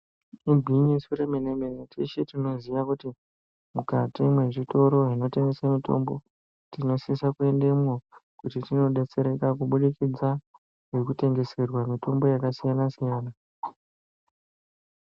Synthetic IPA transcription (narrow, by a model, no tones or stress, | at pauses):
ibʱiɲisuremenemenetiʃetino̞ziʋakuti | mukatimwe̞ʐito̞ɾo̞ɦino̞te̞ŋɡesamito̞̰mbo̞ | tino̞sisakue̞ndemokutitino̞ɗe̞t͡se̞ɾe̞kakuɓuɗikid͡za | ʐe̞kute̞ŋɡe̞se̞rwamito̞mbo̞jakasijanasijaːna